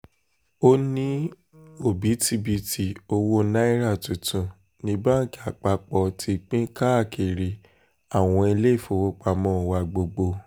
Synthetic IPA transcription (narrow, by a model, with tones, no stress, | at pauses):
o˦nĩ˦ | o˦˨bi˨˦ti˧bi˧ti˨o˧wo˦na˦i˦ɾa˦˨tũ˨tũ˨ | nĩ˧˦ba˦˨ki˦˨a˨k͡pa˧k͡pɔ˧tʰi˧k͡pĩ˦ka˦˨kʰe˨ɾi˨ | a˨w̃ɔ̃˧i˧le˦˨fo˧˨wo˦k͡pa˧mɔ̃˦˨wa˧ɡ͡bo˧ɡ͡bo˧